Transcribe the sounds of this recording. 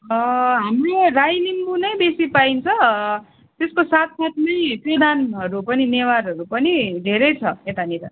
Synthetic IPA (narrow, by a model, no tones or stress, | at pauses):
ʌɦamroɾajnimbunʌjbesipaint͡sʰʌ | t̪eskosat̪̚ʰsat̪mʌjprʌd̪ʱanɦʌɾupʌninewaɾɦʌɾupʌnid̪ʱeɾʌjt͡sʰʌet̪aniɾa̰